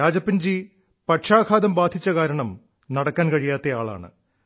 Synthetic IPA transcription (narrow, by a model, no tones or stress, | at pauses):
aːd͡ʑɐpːind͡ʑi | pɐʈʂaːkʰaːd̪ɐmbaːd̪ʱit͡ɕːɐkaːɾɐɳɐm | nɐɽɐkːaːnkɐɻijaːt̪ːɐjaːɭa̰ːɳɨ̰